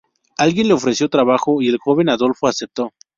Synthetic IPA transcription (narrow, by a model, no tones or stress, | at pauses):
alɣje̞nle̞o̞fɾe̞sjo̞t̪ɾaβaxo̞ie̞lxo̞βe̞naðo̞lfoasep̚t̪o̞